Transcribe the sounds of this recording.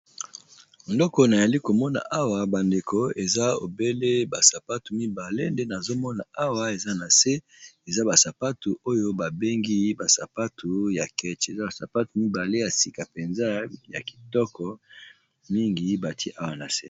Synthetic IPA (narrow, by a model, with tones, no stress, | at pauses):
ndɔ˦kɔ˨na˨ja˨li˦ko˨mɔ˦na̰˨ʔa˦wa˨ba˨nde˨ko˨e˨za˦o̰˨be˦le˦ba˨sa˨pa˦tu˨mi˦ba˨le˦nde˦na˨zo˦mɔ˦na˨a˦wa˨e˨za˦na˨se˦ | e˨za˦ba˨sa˨pa˦tu˨o˦jo˦ba˨be˦ŋɡi˦ba˨sa˨pa˦tu˨ja˨kɛ˦t͡ʃe˨za˦ba˨sa˨pa˦tu˨mi˦ba˨le˦ja˨si˨ka˨pe˨nza˦ja˨ki̥˨tɔ˦kɔ˨ | mi˦ŋɡi˨˦ba˨tʰi˦ʔa˦wa˨na˨se˦